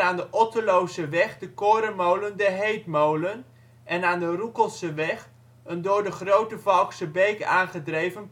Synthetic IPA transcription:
aːndəʔɔtəlowzəʋɛχdəkoːɾəmowləndəɦejtmowlən | ʔɛnaːndərukəlˠsəʋɛχ | əndʊːɹdəχrowtəvɑlˠksəbejkaːnχədrejvən

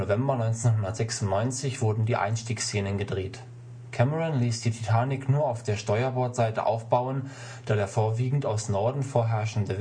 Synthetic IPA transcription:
ovɛmbɐnɔʏnt͡senɦʊndɐtz̥ɛksʊn̩tnɔʏnt͡sɪçv̥ʊɐdn̩diːʔa̰ɪnʃtiːkst͡seːnənɡədʁeːt | kʰɛməʁʊnliːsd̥iːtʰitʰaːnɪknuːɐaʊfd̥eːɐʃtɔʏɐbɔɐtz̥aɪtə̰ʔa̰ʊfb̥aʊən | d̥aːdeːɐfoːɐviːɡŋ̩taʊsnɔɐdn̩foːɐɦɛɐʃn̩də

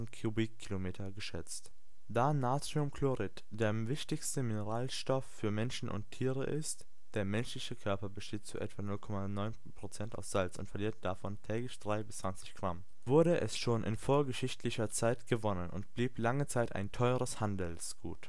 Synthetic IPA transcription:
n̩kʰibikkʰːilomeːtʰɐɡəʃɛt͡st | d̥aːnaːt͡siʊmkʰloʁɪt | d̥eːɐvɪçtɪçstəmɪnəʁaːlʃtɔfːyːɐmɛnʃn̩ʔʊ̰ntʰːiːʁə̰ʔɪst | d̥eːɐmɛnʃlɪçəkʰœɐpɐbəʃteːtt͡suʔɛ̰tv̥aːnʊlkʰɔmanɔʏnpʁ̥ot͡sɛnta̰ʊfsz̥alt͡sʊ̰ntfɛɐliːɐt̚d̥afɔntʰɛːɡlɪçd̥ʁaɪbɪst͡sv̥ant͡sɪçɡ̥ʁam | vʊɐɾəʔɛ̰sʃoːnʔɪ̰nfoːɐɡəʃɪçtʰlɪçɐt͡saɪtɡ̥əvɔnənʔʊ̰ntb̥liːplaŋət͡saɪta̰ɪntʰɔʏʁəshandl̩sɡ̥ṵːt

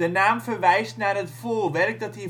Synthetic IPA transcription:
ənaːmfərʋɛjstnaːrɦətfoːʋɛrk̚dɑtɦi

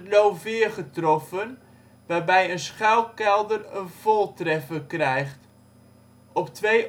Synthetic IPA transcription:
tlowvɪːχətrɔfən | ʋaːrbɛjənsχɛlˠkɛlˠdərənv̥ɔlˠtrɛfəkrɛjχt | ɔptʋej

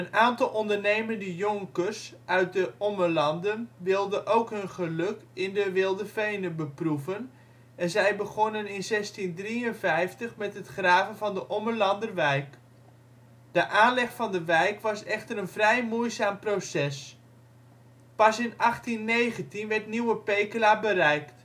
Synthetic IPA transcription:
ənaːntɑlˠʔɔndərnejməndəjɔŋkəsʔœɥt̚dəɔməlɑndənʋɪlˠdəʔowkɦɵnχəlɵkɪndəʋɪlˠdəfejnəbəpruvən | ɛnzɛjbəχonənɪnzɛstindriənvɛjftəχmɛtɦətχraːvənvɑndəʔɔməlɑndərʋɛjk | d̥əʔaːnlɛχfɑndəʋɛjkʋɑsɛχtəɾənvrɛjmuəzaːmprosɛs | pɑsɪnɑχtinːejχəntinʋɛrtniwəpejkəlabərɛjkt

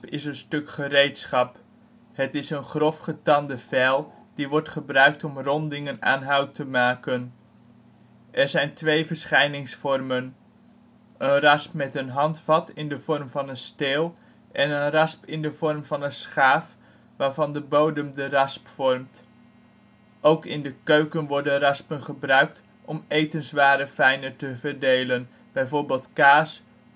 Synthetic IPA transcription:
pɪ̰sənstɵkχərejtsχɑp | hətɪsənχrɔfχətɑndəv̥ɛlˠ | d̥iʋɔɹtχəbrœɥk̚tɔmrɔndɪŋəna̰ːnɦœwtəmaːkən | ʔɛɹzɛjntʋejvəɹsχɛjnɪŋsfɔrmən | ʔənrɑspmɛtənɦɑntfɑtɪndəv̥ɔrmvɑnənsteːlˠ | ʔɛnənrɑspɪndəv̥ɔrmvɑnənsχaːf | ʋaːɹvɑndəbowdəmdərɑspfɔrmt | ʔowkɪndəkøɥkənʋɔɹdənrɑspənχəbrœɥk̚t | ʔɔmejtənzʋaːɾəfɛjnətəvəɹdejlən | b̥ɛjvoːɹbeːlˠtkaːs

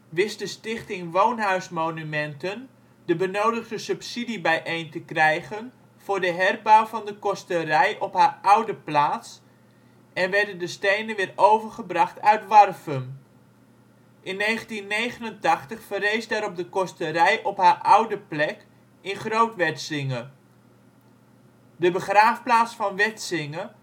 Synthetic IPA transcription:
ʋɪsdəstɪχtɪŋʋownɦœɥsmownymɛntən | dəbənoːwdəχdəsʉpsidibɛjʔejntəkrɛjχən | v̥ʊːɹdəɦɛrbawvɑndəkɔstərɛjʔɔphaːrawdəplaːts | ʔɛnʋɛɹdəndəstejnənʋɪːrowvərχəbrɑχtʰœɥtʋɑrfən | ʔɪnːejχəntinːejχənəntɑχtəχfərejsdaːɾɔp̚dəkɔstəɾɛjʔɔpɦaːɹʔʌwdəplɛk | ɪnχrowtʋɛtsɪŋə | dəbəχraːfplaːtsfɑnʋɛtsɪŋə

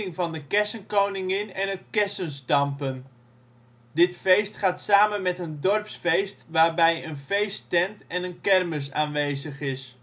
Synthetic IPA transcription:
ɪŋvɑndəkɛsənkownɪŋɪnɛnɦətkɛsənstɑmpən | dɪtfejstχaːtsaːmənmɛtəndɔrpsfejstʋaːɹbɛjənfejstɛntɛnənkɛrməs̬a̰ːnʋejzəχɪs

